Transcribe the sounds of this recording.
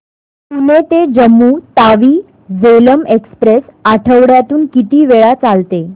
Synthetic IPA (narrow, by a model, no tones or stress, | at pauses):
punet̪ed͡ʑəmːuːt̪aʋiː | d͡zeləmekspɾesaʈʰəʋɽjat̪uːnkit̪iːʋeɭat͡salt̪e